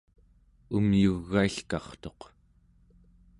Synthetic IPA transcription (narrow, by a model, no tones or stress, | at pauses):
umjuɣːaiɬkɑχt̪o̞q